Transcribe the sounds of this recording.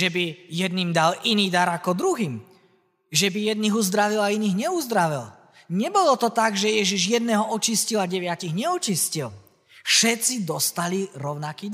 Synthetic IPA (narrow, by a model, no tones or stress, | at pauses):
ʒɛbijɛd̪̚niːmd̪alʔiniːd̪aɾakɔd̪ɾuɦiːm | ʒɛbijɛd̪̚niːɣuzd̪ɾaʋilainiːɣɲɛuzd̪ɾaʋil | ɲɛbɔlɔt̪ɔt̪aɡʒɛjɛʒiʒjɛd̪nɛːɦɔɔt͡ʃiscilaɟɛʋɪaciɣɲɛɔt͡ʃiscil | fʃɛt̪t͡sid̪ɔst̪aliɾɔʊnakiːd̪